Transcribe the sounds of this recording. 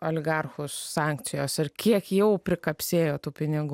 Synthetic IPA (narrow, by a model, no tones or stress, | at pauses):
ɐlʲɪɡɐrxʊsːɑːŋkt̪sʲɪjoːsʲɪrkʲiɛkjɛʊpʲɾʲɪkɐpʲsʲeːjoːt̪uːpʲɪnʲɪɡuː